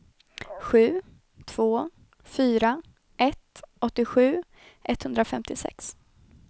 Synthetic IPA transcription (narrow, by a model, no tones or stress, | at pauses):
ɧʉ̟ː | t̪ʰv̥oː | fyːɾa | ʔɛt̪ɔt̪ːɪɧʉ̟ː | ʔɛt̪hɵnd̪ɾafɛmt̪ɪsɛ̰ks